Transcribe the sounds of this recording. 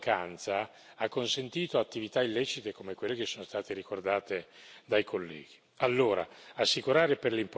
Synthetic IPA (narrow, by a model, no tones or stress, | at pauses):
kant̪sa | akːonsent̪iːt̪oat̪ːivit̪ailːɛːt͡ʃit̪ekomekwelːekesːoːnost̪aːt̪eɾikord̪aːt̪ed̪ajkʰolːɛ̰ːɡi | alːoːɾa̰asːikuɾaːɾeperlimp